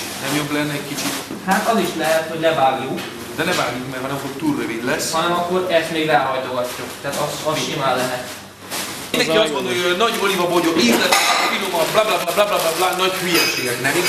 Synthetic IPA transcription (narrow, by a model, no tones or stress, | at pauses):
nɛmjoblɛnːɛːckit͡ʃit̪ | haːt̪ɒziʃlɛɦɛt̪ho̞ɟnɛvaːɡjuk | d̪ɛnɛvaːɡjukmɛrɦɒnɛmfokt̪urøvid̪lɛsːhɒnɛmɒkːo̞ɾɛst̪meːɡrɛːɦɒjt̪o̞ɡɒtːukt̪ɛaːt̪ɒsɒsʃimaːllːɛɦɛt̪ | ind̪ɛŋiɒstmo̞nd̪oojnɒɟolivɒboɟobit̪lɛfilomɒblaːblablablaːblaːblablaːnɒɟhyjɛʃeːɡɛknɛvi